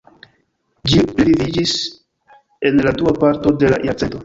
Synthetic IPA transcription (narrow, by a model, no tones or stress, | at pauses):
d͡ʒiplivid͡ʒis | e̞nladuapaɾto̞de̞la̰ʔjaɾt͡seto̞